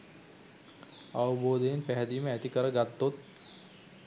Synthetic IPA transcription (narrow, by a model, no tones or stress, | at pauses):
aʋəboːd̪ejenpæɦɛd̪iːməæt̪ikəɾəɡat̪ːot̪̚